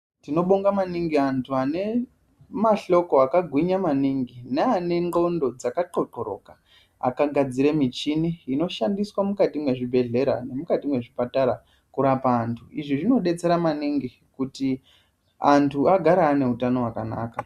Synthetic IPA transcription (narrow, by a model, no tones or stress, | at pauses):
tino̞ɓo̞ŋɡamaniŋɡiantʰuane̞ | maɬo̞koakaɡʱwiɲamaniŋɡineane̞ŋɡo̞ndo̞d͡zakaǃo̞ǃo̞ɾo̞̰ka | a̰kaɡʱad͡ziɾe̞mit͡ʃiniino̞ʃandiswamukatimwe̞ʐibʱe̞ɮe̞ɾa̰ne̞mukatimwe̞ʐipataɾa | kuɾapaːntʰuiʐiʐino̞ɗe̞t͡se̞ɾamaniŋɡi | kuti | antʰuʔaɡʱaɾaːne̞ɦutano̞wakana̰ːka